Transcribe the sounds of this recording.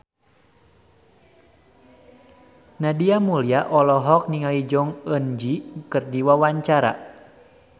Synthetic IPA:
nadiamuliaʔɔlɔɦɔk̚niŋalid͡ʒɔŋənd͡ʒikɨrdiwawaɲt͡ʃaɾa̰

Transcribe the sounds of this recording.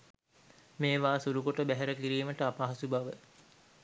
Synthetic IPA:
meːʋaːsuɾukoʈəbæɦæɾəkiɾiːməʈəapaɦasubaʋə

